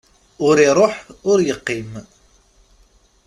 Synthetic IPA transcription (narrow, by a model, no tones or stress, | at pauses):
ʊɾiɾˤoħʊɾjəqːim